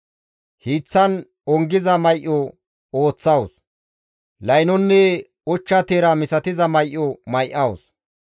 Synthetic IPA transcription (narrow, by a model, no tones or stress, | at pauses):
hiːt͡sːɐn | ɔŋɡɪzɐmɐjʔːɔ | oːt͡sːɐws | lɐjnɔnːɛ | ʊt͡ʃːɐt̪eːɾɐmɪsɐt̪ɪzɐmɐjʔːɔmɐjʔɐws